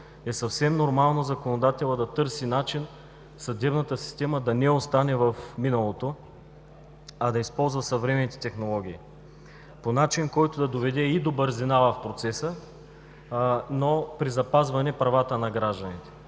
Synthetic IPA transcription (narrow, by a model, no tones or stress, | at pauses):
ɛsɐfsɛmnoɾmalˠnozɐkonod̪at̪ɛlˠəd̪ɐt̪ɤɾsinat͡ʃin | sɐd̪ɛbnɐt̪əsi̥st̪ɛməd̪ɐnɛost̪anɛvəfminəlˠot̪o | ɐd̪ɐispɔlˠzvəsɐvɾɛmɛnit̪ɛ̥t̪ɛxnolˠɔɡ̟ʲiː | ponat͡ʃinkɔjt̪ʊd̪ɐd̪ovɛd̪ɛid̪obəɾzɛnavɐfpɾot̪sɛsə | nopɾizɐpazvɐnɛpɾɐvat̪ənɐɡɾaʒd̪ɐnit̪ɛ̥